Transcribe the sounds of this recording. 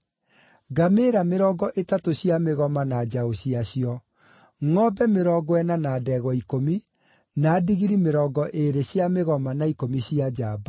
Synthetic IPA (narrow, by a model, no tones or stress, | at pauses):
ɡameɾameɾɔːɡɔʔetatoɕjameɣɔmanad͡ʑaoɕiaɕiɔ | ŋɔbɛmeɾɔːɡɔɛnanaːdɛɣɔikomi | naːdiɣiɾimeɾɔːɡɔʔeɾeɕjameɣɔmanaikomiɕiad͡ʑaba